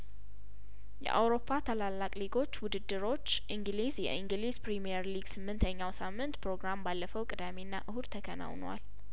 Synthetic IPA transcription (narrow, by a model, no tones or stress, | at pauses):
jɛ̰ʔa̰wɾo̞pʰːat̪ʰalalːakʼliɡo̞t͡ʃːwʊd̪ɨd̪ːɨɾo̞t͡ʃːʔiŋɡlizjɛ̰ʔiŋɡɨlizpɾimijɛɾliɡsɨmːɨnt̪ʰəɲːawsamːɨnt̪pʰɾo̞ɡɾambalːəfəwkʼɨd̪amenːa̰ʔɨhud̪t̪ʰəkʰəna̰wnwa̰l